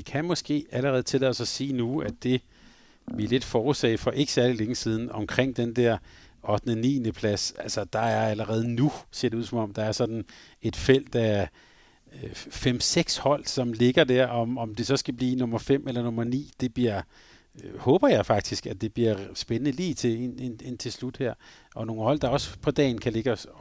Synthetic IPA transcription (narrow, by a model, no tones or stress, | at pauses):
ikʰæmɒ̽sɡ̥e̝̰ːæləʁɛːð̩ˠt͡sʰe̝lɛːsɒsiːnuæd̥e̝ | ʋiɐle̝d̥fɒːusɛ̰ɪfɒ̽ʔe̝ɡ̥ə̥sæɐlileŋəsiːð̞ˠn̩ɒ̽mkʰʁeŋ̰d̥end̥æɐ̰ | ɒ̽d̥nənḭːnəpʰlæsælsɐd̥ɑ̈æɐæləʁɛːð̞̩ˠənuse̝̰ɐ̰ɾeuðˠsɒ̽mɒ̽md̥ɑ̈æɐsɒ̽d̥n̩ | e̝d̥fel̰d̥æ | fem̰seɡ̥shɒ̽l̰sɒ̽mle̝ɡ̥ɐd̥æɐ̰ɒ̽mɒ̽md̥e̝sɒ̽sɡ̥æb̥lḭːnɔ̽mɐfem̰ʔelɐnɔ̽mɐnḭːd̥e̝b̥liɐ̰ | hɔ̽ːb̥ɐjɑ̈ɪfɑ̈ɡ̥̚d̥isɡ̥æd̥e̝b̥liɐsb̥enənəliːt͡sʰe̝enenent͡sʰe̝slud̥hæɐ̰ʔɒ̽no̝ːn̩hɒ̽l̰d̥ɑ̈ɒ̽spʰɒ̽d̥ɛ̰ːnkʰæle̝ɡ̥əɒ